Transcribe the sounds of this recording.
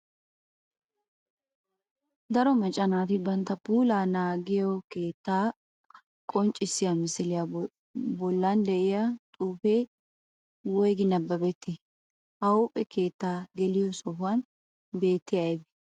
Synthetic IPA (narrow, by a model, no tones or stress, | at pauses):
d̪ɐɾɔmɐt͡ʃʼɐnaːt̪ɪbɐnt̪ːɐpuːlaːnaːɡɪjɔkeːt̪ːaː | kʼɔnt͡ʃʼɪsɪjamɪsɪlɪja | bɔlːand̪ɛʔɪjat̪ʼuːfe | wɔjɡɪnɐbːɐbɛt̪ːɪ | ɐupʼɛkʰe̞ːt̪ːaːɡɛlɪjɔsɔɦʊwɐn | beːt̪ːɪjabɛ̥